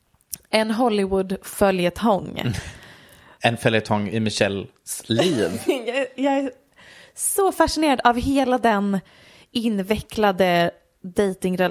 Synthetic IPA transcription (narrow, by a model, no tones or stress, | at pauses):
ɛnɦɔlːɪwʊd̪fœljət̪ʰɔŋː | ɛnfœljət̪ʰɔŋːɪ̰mɪɕɛl | sliːnjjɑɡæ | sɔfaʂɪneːɾad̪avɦeːlad̪ɛn | ɪnːvɛklad̪ə | d̪ejt̪ɪŋɾɛ